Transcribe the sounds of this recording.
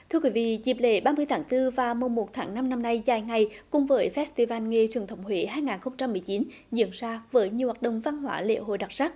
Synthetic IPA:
t̪ʰɨ˧əkwi˨˦vḭ˧˨zi˨˩p̚lḛ˧˥˦ɓaː˧mɨ˧əjt̪ʰaː˨˦ŋt̪ɨ˧vaː˨˩mo˨˩mo˨˩t̚t̪ʰaː˨˦ŋna˧mna˧mna˧jzaː˨˩jŋa˨˩jkʊ˨˩ŋ͡mvəː˨˦jfɛ˦˥st̪i˧vaː˧nŋe˧t͡ɕwi˨˩ənt̪ʰə˧˨˦wŋ͡mhwḛ˧˥ɦaː˧jŋaː˨˩nxə˧wŋ͡mt͡ɕa˧mːɨ˨˩əjt͡ɕi˨˦n | zḭ˧˥ənzaː˧vəː˨˦jɲɨ˨˩əwaː˨˩t̚ɗə̰˧˨ŋ͡mva˧nhwa̰ː˧˦lḛ˧˥ɦo̰˧˨jɗa˨˩t̚saː˦˥k̚

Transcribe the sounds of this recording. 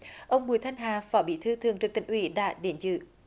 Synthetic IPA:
ʔə˧wŋ͡mɓu˨˩jt̪ʰa˧jŋ̟ɦaː˨˩fɔ˨˦ɓḭ˧˥t̪ʰɨ˧t̪ʰɨ˨˩əŋt͡ɕɨ˨˩k̚t̪ï˧˩ŋʔwi˧˩˦ɗa̰ː˧˥˨ɗe˨˦nzɨ̰˧˩

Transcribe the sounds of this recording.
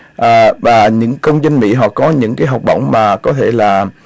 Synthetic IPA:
ʔəː˨˩vaː˨˩ɲɨ̰˧˥ŋkə˧wŋ͡mzə˧nmḭ˧˥ɦɔ̰˧˨kɔ˨˦ɲɨ̰˧˥ŋkaː˨˦jɦa˨˩wk͡p̚ɓə̰˧˨wŋ͡mmaː˨˩kɔ˨˦t̪ʰe˧˩laː˨˩

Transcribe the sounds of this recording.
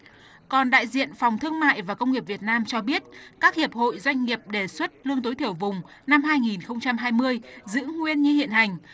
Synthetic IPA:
kɔ˨˩nɗa̰ː˧˨jzḭ˧˨ənfa˨˩wŋ͡mt̪ʰɨ˧əŋma̰ː˧˨jvaː˨˩kə˧wŋ͡mŋi˨˩p̚vi˨˩ət̚naː˧mt͡ɕɔ˧ɓi˦˥ət̚kaː˦˥k̚hi˨˩əp̚ho̰˧˨jzwa˧jŋ̟ŋi˨˩əp̚ɗe˨˩swə˦˥t̚lɨ˧əŋt̪o˨˦jt̪ʰi˧˩əwvʊ˨˩ŋ͡m | na˧mɦaː˧jŋi˨˩nxə˧wŋ͡mt͡ɕa˧mɦaː˧jmɨ˧əjzɨ̰˧˥ŋwi˧ənɲɨ˧hḭ˧˨ənha˨˩jŋ̟

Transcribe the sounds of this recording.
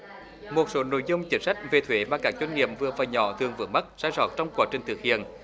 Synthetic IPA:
mo˨˩t̚so˨˦no̰˧˨jzʊ˧wŋ͡mt͡ɕï˨˦ŋ̟sa˦˥jk̟̚ve˨˩t̪ʰwe˨˦maː˨˩kaː˦˥k̚t͡ɕwŋ̟ŋḭ˧˨əmvɨ˨˩əvaː˨˩ɲɔ̰˧˨˦t̪ʰɨ˨˩əŋvɨ̰˨˧˦əŋma˦˥t̚zaː˧jzɔ̰ː˧˨˩t̚t͡ɕɔ˧wŋ͡mkwaː˨˦t͡ɕï˨˩ŋ̟t̪ʰɨ˨˩ək̚hḭ˧˨ən

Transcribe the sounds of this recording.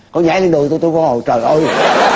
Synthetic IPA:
kɔ˨˧˦ɲa̰ː˧˨˦jle˧nɗɨ˨˩t̪o˧jt̪o˧kɔ˧˦ho̰˨˩t͡ɕəː˨˩ʔə˧

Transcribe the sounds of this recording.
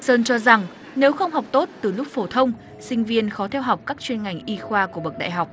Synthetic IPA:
səː˧nt͡ɕɔ˧za˨˩ŋ | ne˨˦wxə˧wŋ͡mɦa˨˩wk͡p̚t̪o˦˥t̚t̪ɨ˨˩lʊ˦˥k͡p̚fo˧˩t̪ʰə˧wŋ͡m | sï˧ŋ̟vi˧ənxɔ˨˦t̪ʰɛ˧wɦa˨˩wk͡p̚kaː˦˥k̚t͡ɕwe˧nŋa˨˩jŋ̟ʔi˧xwaː˧ku˧˩ɓə˨˩k̚ɗa̰ː˧˨jɦa˨˩wk͡p̚

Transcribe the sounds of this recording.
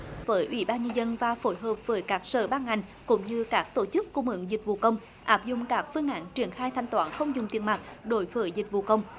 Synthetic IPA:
vəː˨˦jʔwḭ˧˩ɓaː˧nɲə˧nzə˧nvaː˨˩fo˧˦jɦəː˨˩p̚vəː˨˦jkaː˦˥k̚sə̰ː˧˩ɓaː˧nŋa˨˩jŋ̟ | kʊ̰˧˥ŋ͡mɲɨ˧kaː˦˥k̚t̪o˧˩t͡ɕɨ˦˥kːu˧mɨ̰˧˨ŋzi˨˩k̟̚vṵ˨˩kə˧wŋ͡m | ʔaː˦˥p̚zʊ̰˧˨ŋ͡mkaː˦˥k̚fɨ˧əŋʔa̰ː˧˥nt͡ɕi˧˩ənxaː˧jt̪ʰa˧jŋ̟t̪waː˧˦nxə˧wŋ͡mzʊ˨˩ŋ͡mt̪i˨˩ənma˨˩t̚ɗo˨˦jvəː˨˦jzï˨˩k̟̚vṵ˨˩kə˧wŋ͡m

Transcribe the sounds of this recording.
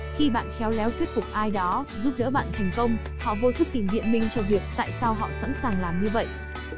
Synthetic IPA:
xi˧ɓa̰ː˧˨nxɛ˨˦wlɛ˨˦wt̪wi˦˥ət̚fʊ˨˩k͡p̚ʔaː˧jɗɔ˨˦zu˦˥p̚ɗə̰ː˧˥ɓa̰ː˧˨nt̪ʰa˨˩jŋ̟kə˧wŋ͡m | hɔ̰˧˨vo˧t̪ʰk̚t̪i˨˩ŋvḭ˧˨ənmï˧ŋ̟t͡ɕɔ˧vi˨˩ək̚t̪a̰ː˧˨jsa˧wɦɔ̰˧˨sa̰˧˥nsaː˨˩ŋlaː˨˩mɲɨ˧və̰˧˨jʔ

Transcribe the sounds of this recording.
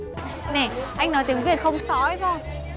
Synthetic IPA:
ne˨˩ʔa˧jŋnɔ˨˦jt̪ɨ˨˦ŋɓi˦˥ət̚xə˧wŋ͡msɔ˧˦t̪ʰo˧j

